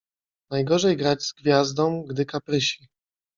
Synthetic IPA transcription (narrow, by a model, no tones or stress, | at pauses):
najɡɔʐɛjɡɾad͡ʑz̥ɡvʲjazd̪ɔ̃w̃ɡd̪ɘkapɾɘɕi